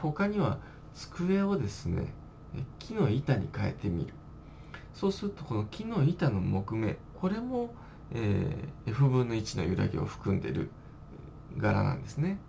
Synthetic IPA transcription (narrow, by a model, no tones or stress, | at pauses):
ho̞kaɲ̟iβa | t͡sɨ̥kɯe̞od̪e̞sɨne̞̰ | kʲʰino̞it̪aɲ̟ikae̞̰t̪e̞mʲḭɾɯ̟ | so̞ːsɨɾɯt̪o̞ko̞no̞kʲino̞it̪ano̞mo̞kɯ̟me̞ko̞ɾe̞mo̞ | ḛːɸɯ̟bɯ̟nːo̞it͡ɕino̞̰jɯ̟ɾa̰ɡʲḛo̞̰ɸɯ̟̥kɯ̟̃nd̪e̞̰ɾɯ̟̰ | ɡaɾa̰nã̰nd̪e̞sɨne̞